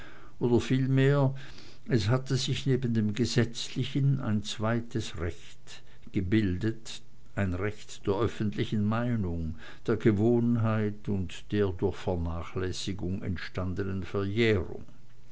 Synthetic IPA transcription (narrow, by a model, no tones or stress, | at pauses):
ʔoːdɐfiːlmeːɐ | ɛshatəzɪçneːbən̩deːmɡəzɛt͡slɪçəna̰ɪnt͡sv̥aɪtəsʁɛçt | ɡ̥əbɪldət | ʔaɪnʁɛçtd̥eːɐʔœfən̩tlɪçən̩maɪnʊŋ | d̥eːɐɡəvoːnɦaɪtʊntd̥eːɐdʊɐçfɛɐnaːχlɛsɪɡʊŋɛ̰ntʃtandənənfɛɐjeːʁʊ̰ŋ